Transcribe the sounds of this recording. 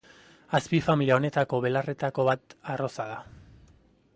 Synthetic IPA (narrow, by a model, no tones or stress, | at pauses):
aspifamiliao̞ne̞t̪ako̞βe̞lare̞t̪ako̞βat̪aro̞saða